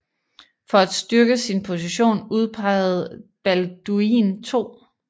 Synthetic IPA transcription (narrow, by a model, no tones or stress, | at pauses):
fɒ̽æd̥sd̥ɶɐɡ̥əsinpʰo̝s̬iɕo̝̰ːnuð̞ˠpʰɑ̈ɪð̩ˠb̥æld̥uint͡sʰo̝̰ː